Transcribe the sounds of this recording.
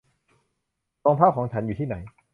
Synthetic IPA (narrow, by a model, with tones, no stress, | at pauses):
ɔː˧ŋpʰaː˥˩kɔ˩˦ŋt͡ɕʰa˦˥njuː˨˩iː˥˩na˩˦j